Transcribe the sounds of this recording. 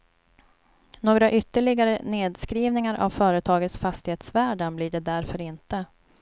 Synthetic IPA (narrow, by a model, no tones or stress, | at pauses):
noːɡɾaʔʏt̪ːəɭɪɡaɾəneːd̪skɾiːvnɪŋaɾʔa̰vfœːɾət̪ʰɑːɡət̪sfast̪ɪheːt̪svæːɖanblɪɖɛd̪æɾfœɾɪnt̪ə